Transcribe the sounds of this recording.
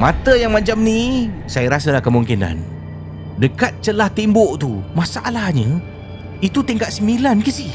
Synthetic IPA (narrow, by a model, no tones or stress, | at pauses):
mat̪əjaŋmãt͡ʃamnisajəɾasəlahkəmuŋkina̰n | dəkat̪̚t͡ʃəlaht̪imboʔt̪umasaʔlahɲə | it̪ut̪iŋkat̪səmilankəsi